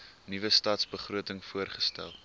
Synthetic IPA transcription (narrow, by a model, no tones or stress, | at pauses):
nivəstɑːtsbəχruətəŋfuərχə̥stæ̰lˠ